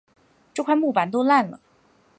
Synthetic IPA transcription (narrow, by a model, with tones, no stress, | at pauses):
ʈ͡ʂɤ˥˧kʰwa˥˧ɪmu˥˩pa˨˧˥nt̪o˥ʊla˥˩nlə̰˩